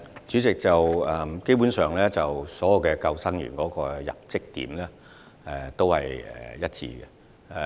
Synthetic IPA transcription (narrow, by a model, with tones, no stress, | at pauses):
t͡ʃyː˨˥t͡sɪ˨k̚t͡sɐ˨wɛ˨mke˥jpuː˨˥nsœː˨˩ŋlɛː˥t͡sɐ˨˩wsɔː˨˥jɐ˨˩wkɛ˧kɐ˧wsɐ˥ŋɥy̰ː˨˩nkɔː˨˥kɔː˧jɐ̰˨p̚t͡sɪ˥k̚t̪ḭː˨˥mlɛː˥ | ɛ˨t̪o˥whɐ̰˨jɛ̰˨˩jɐ˥t̚t͡sʰḭː˧ɡɛ̰˧˨